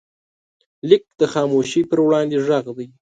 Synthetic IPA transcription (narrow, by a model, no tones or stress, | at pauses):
lɪk̚d̪̥əxɑmoʃipəɾwɽɑnd̪eʐaɣd̪aj